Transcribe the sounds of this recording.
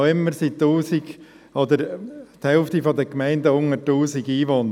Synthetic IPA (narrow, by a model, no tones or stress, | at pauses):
ɪmːəɾsit̪ːuːsiɡ̥ | ɔd̪əɾt̪hɛlft̪ifɔd̪əkmɛɪndəʊŋətːuːsiɡiːʋoːn